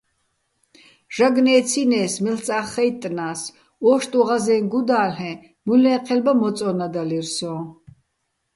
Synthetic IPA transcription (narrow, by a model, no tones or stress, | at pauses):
ʒ̥aɡnɛːt̪t͡sʰinɛːsmɛlt͡sʼaːχɛjt̪ʼːnaːs | ɔːʃt̪ʼuʁazɛːnɡud̪aːlɛ̃ | mulɛːqʰɛlbamɔt͡sʼɔnad̪aliɾsɔː